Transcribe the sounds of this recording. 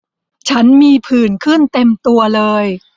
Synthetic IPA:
t͡ɕʰa˦˥nmiː˧pʰɯː˨˩nkʰɯ˥˩nt̪e˧mt̪u˧ɐlɤː˧j

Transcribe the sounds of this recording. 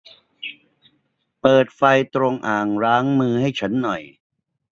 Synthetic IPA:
pɤː˨˩t̪̚fa˧jt̪ɾo˧ŋʔaː˨˩ŋɾaː˦˥ŋmɯː˧ha˥˩jt͡ɕʰa˦˥nːɔ˨˩j

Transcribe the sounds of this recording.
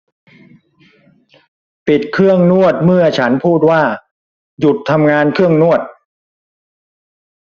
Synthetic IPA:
pi˨˩t̪̚kʰɯ˥˩əŋnu˥˩ət̪̚mɯ˥˩ɐt͡ɕʰa˦˥npʰuː˥˩t̪̚waː˥˩ | ju˨˩t̪ʰːa˧mŋaː˧nkʰɯ˥˩əŋnu˥˩ət̪̚

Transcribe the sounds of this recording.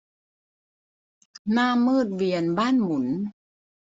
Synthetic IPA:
naː˥˩mːɯː˥˩t̪̚wi˧ənbaː˥˩˨nmu˩˦n

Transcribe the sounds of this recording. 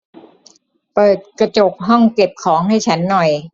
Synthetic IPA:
pɤː˨˩t̪̚kɾa˧t͡ɕo˨˩k̚ɦɔ˥˩ŋke˨˩p̚kʰɔː˩˦ŋha˥˩jt͡ɕʰa˦˥nːɔ˨˩j

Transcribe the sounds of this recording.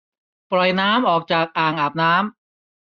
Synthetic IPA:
pɾɔ˨˩jnaː˦˥mʔɔː˨˩k̚t͡ɕaː˨˩k̚ʔaː˨˩ŋʔaː˨˩p̚naː˦˥m

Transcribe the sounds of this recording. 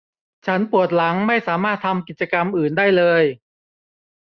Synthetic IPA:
t͡ɕʰa˦˥npu˨˩ət̪̚la˩˦ŋma˥˩jsaː˩˦maː˥˩t̪ʰːa˧mki˨˩t͡ɕa˧ka˧mʔɯː˨˩ndaː˥˩jlɤː˧j

